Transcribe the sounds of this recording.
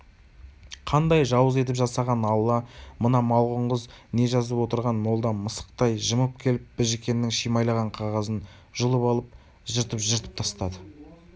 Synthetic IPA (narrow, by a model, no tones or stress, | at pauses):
qʰɑnd̪ɑjʒɑwəze̞t̪̬ɪpʒɑsɑʁɑnɑwlˠɑmənɑmɑw̪ˠʁəɴʁəzne̞ʒɑzəpwo̞t̪əɾʁɑnmo̞lˠd̪ɑməsə̥q̚t̪ɑjʒəməp̚kʲʰe̞lɪp̚b̥ɪʒekʲe̞nːɪŋʃijmɑjlˠɑʁɑɴqʰɑʁɑzən | ʒ̥ʊlˠəpɑlˠəp̚ | ʒəɾt̪əpʒəɾt̪ə̥p̚t̪ʰɑst̪ɑd̪ə